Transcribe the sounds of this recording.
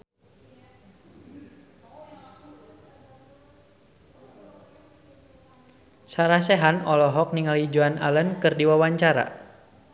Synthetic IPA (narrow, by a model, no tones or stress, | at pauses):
saɾahsɛɦanɔlɔɦɔk̚niŋalid͡ʒuana̰lənkɨrdiwawaɲt͡ʃaɾa̰